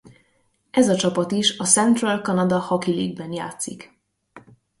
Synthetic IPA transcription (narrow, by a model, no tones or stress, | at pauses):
ɛzɒt͡ʃɒpɒt̪iʃɒsɛnt̪rɒlkɒnɒd̪ɒhɒkiliːɡ̚bɛnjaːt̪sik